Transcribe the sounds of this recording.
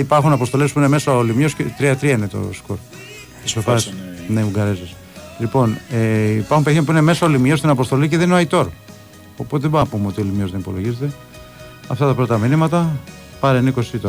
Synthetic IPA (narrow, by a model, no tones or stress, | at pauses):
ipɐɾxunɐpost̪o̞lespuine̞me̞sɐolimjoscet̪ɾiɐt̪ɾiɐinet̪o̞̰skoɾ | isofɐsneuɡɐɾezis | lipo̞neipɐɾxumpeθimɐpuine̞me̞sɐolimjo̞st̪inɐpo̞st̪o̞liceðeninoɐit̪o̞ɾ | opot̪eðebopumeo̞t̪iolimjo̞zðenipo̞lo̞ʝizet̪e̞ | ɐft̪ɐt̪ɐpɾot̪ɐminimɐt̪ɐ | pɐɾenikosiit̪o